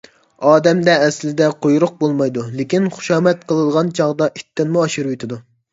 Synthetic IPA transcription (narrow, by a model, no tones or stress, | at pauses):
ɑːd̪ɛmd̪ɛːslɪd̪ɛqʰojɾʊq̚bolˠmɑjd̪ulekʲinχʊ̥ʃɑːmɛt̪̚qʰəlˠɨd̪əʁɑnt͡ʃʰɑʁd̪ɑʔit̪ːɪnmuɑʃiɾuit̪ʰɪd̪u